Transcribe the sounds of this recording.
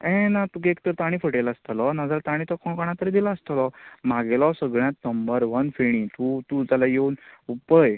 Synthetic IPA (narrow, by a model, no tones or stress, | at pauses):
ɛ̃nat̪ukekt̪əɾt̪aɽ̃ĩfʰəʈelaəst̪alɔnad͡zalt̪aɽ̃ĩt̪ɔkɔɳ̃kɔɳ̃at̪əɾid̪ilaəst̪əlɔmaɡelɔsəɡɭjãt̪nəmbəɾʋənfeɽ̃ĩt̪ut̪ut̪jalajeunupəj